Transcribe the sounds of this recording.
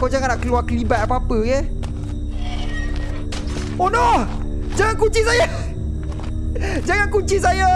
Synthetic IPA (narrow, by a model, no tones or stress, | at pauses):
kawd͡ʒaŋanaʔkəluakəlibat̪̚apapəɡɛ | onɔh | d͡ʒaŋankuɲt͡ʃisaja | d͡ʒaŋankut͡ʃis̬aja